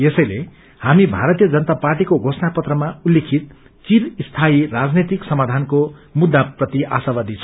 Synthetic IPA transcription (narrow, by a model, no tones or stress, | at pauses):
esʌjle | hamibʱaɾʌt̪ijʌd͡zʌnt̪aparʈikoɡʱosʰnapʌt̪rʌmaulːekʰit̪̚ | kiɾist̪ʰairad͡znet̪iksʌmad̪ʱankomud̪ʱːaprʌt̪iʔa̰sabad̪ʱit͡sʰ